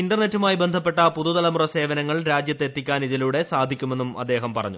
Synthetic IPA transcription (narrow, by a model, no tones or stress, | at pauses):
inɖɐrne̞tːumaːjibe̞nd̪ʱɐp̬ːe̞ʈːɐpuðuðɐlɐmurɐse̞ːʋɐnɐŋːɐɭɾaːd͡ʑjɐt̪ːet̪ːikʲːaːniðiluːɽe̞saːd̪ʱikʲːumenːumɐ̰d̪ːe̞ːɦɐmpɐrɐ̰ɲːu